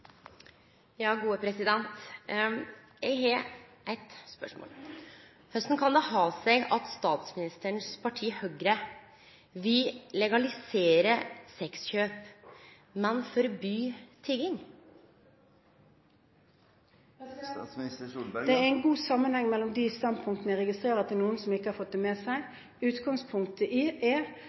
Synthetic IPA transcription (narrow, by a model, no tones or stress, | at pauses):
jɑːɡuːəpʰɾɛsɪd̪ɛnt̪ | jɛɡɦɛʔæɪt̪spœ̰ʂmo̰ːl | hœst̪n̩kʰɑnd̪ɛhɑːsɛɡɑt̪st̪ɑːt̪smɪnɪst̪əɳspʰɑʈʰiːhœɡɾə | ʋɪllɛɡɑlɪseːɾəsɛksçøːp | mɛnfɔɾɔbyːt̪ʰɪɡɪŋ | d̪ɛɛɛɪnɡuːsɑmːənhɛŋːmɛlːɔmd̪ɪst̪ɑnd̪̚pʰʊŋkt̪nəəʁɛɡɪst̪ɾeːɾɑt̪ʰɪlnuːənsɔmɪkːəhɑfɔt̪̚d̪ɛmeːsæɪ | ʉːt̪ɡɑŋspʰʊŋk̚t̪əʔɪe